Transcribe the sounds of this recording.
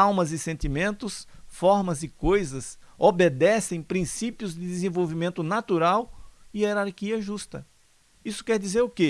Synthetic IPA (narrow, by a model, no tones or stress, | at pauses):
awmɐzɪsẽnt̪imẽnt̪ʊsfɔɾmɐzɪkojzɐsobed̪ɛsẽj̃pɾĩsipiʊzd̪ɪd̪ɪzẽvowvimẽnt̪ʊnat̪uɾawɪeɾaɾkiɐʒust̪ɐ | isʊ̥kɛɾd̪izeɾʊke